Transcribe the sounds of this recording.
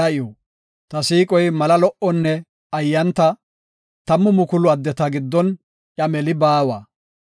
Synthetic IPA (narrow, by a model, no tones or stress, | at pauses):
ɐɪjoː | t̪ɐsiːkʼɔjmɐlɐlɔʔɔnːɛ | ɐjːɐnt̪ɐ | t̪ɐmːʊmʊkʊlʊɐd̪ːɛt̪ɐɡɪd̪ːɔn | ʔɐmɛlɪbaːwaː